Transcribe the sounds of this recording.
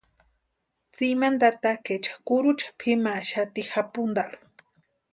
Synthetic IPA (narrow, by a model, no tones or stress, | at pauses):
t͡simand̪at̪aket͡ʃḁkuɾut͡ʃʰḁpʰimaʃat̪ixapund̪alu̥